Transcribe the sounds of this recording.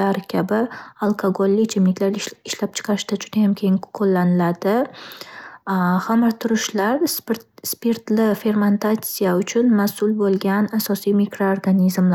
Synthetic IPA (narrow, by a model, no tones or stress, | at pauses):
aɾkʲʰabɪalˠkʰaɡolːɪt͡ʃʰɪmɪkʲlaɾɪʃlap̚t͡ʃʰɨ̥qʰɑɾɪʃd̪ad͡ʒʊd̪ajamkʲʰeɪŋkʰolːanɪlad̪ɪ | hamɪɾt̪ʰʊɾɪʃlaɾsspeɾt̪lɪfe̞ɾment̪ʰat̪sijaʊt͡ʃʰʊnmasʊlbolˠɡʲanasɒsijmikɾo̞oɾɡanizmla